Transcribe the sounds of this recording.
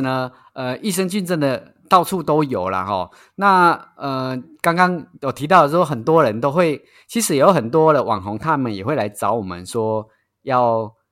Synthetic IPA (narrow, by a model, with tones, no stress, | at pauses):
nə˧˦ | ə˧i˥˩ʂə˥ŋt͡ɕy˥˧nt͡sə˥˩nd̪ə˩ | t̪ɑ˥˧ʊt͡sʰu˥˩t̪o˥ʊjo˨˩ʊlə̰˨˩hɔ̰˥˩ | na˥˩ə˩ka˥ŋkɑ˥ŋjo˨˩t̪ʰi˧˥t̪ɑ˥˩ʊə˩ʂwɔ˥xə˨˩nt̪wɔ˥ɻə˧˦nt̪o˥ʊxwe˥˩ɪ | t͡ɕʰi˧˥ʂɻ̩˧˥jo˧˥ʊxə˨˩nt̪wɔ˦˥lə˨wʔɑ̰˨˩ŋɦɔ˧˥ŋt̪ʰa˦mə˨njɛ˨˩xwe˥˩ɪla˧˥ɪt͡sɑ˧˥˦ʊwɔ˨˩mə̰˦nʂwɔ˥ | jɑ˥˩ʊ